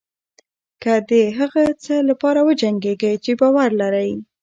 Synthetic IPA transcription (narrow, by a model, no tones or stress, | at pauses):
kad̪əɦaɣat͡səlapɑɾawəd͡ʒaŋɡeɡəjt͡ʃebɑwaɾlaɾəj